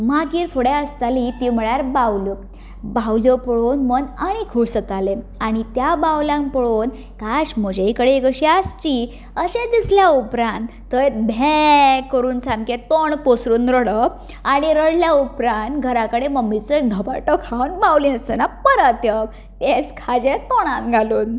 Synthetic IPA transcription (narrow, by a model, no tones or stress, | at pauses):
maɡiːɾfoɽeəst̪alit̪im̤əɭjaɾbawlu | bawljopɔɭonmənaɽ̃ikʰuɽsət̪ale | aɽ̃it̪jabawlãŋpəɽoːn | kaɕm̤əd͡ʑeikəɽeekəɕiast͡ɕi | əɕẽd̪isljaupɾãnt̪ːəjet̪bʱekːəɾuːnsamkẽt̪oɳposɾuːnɾəɽə | aɽ̃iɾəɽljaupɾant̪ɡʱəɾakəɽeməmːit͡sɔek̚d̪ʱəba̰ʈəkʰawnbawlĩəsənapəɾət̪jə | t̪et͡skʰad͡ʑet̪oɽ̃ãnɡʱaluːn